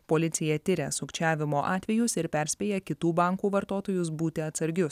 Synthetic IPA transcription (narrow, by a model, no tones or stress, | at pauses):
poːlʲɪt̪sʲɪjɛt̪ʲɪɾʲɛsʊkt͡ʃʲæːʋʲɪmoːʔɑːt̪ʲʋʲɛjʊsɪɾpʲɛɾʲsʲpʲeːjɛkʲɪt̪uːbɑŋkuːʋɐɾt̪oːt̪oːjʊs̬buːt̪ʲɪɐt̪sɐɾʲɡʲʊs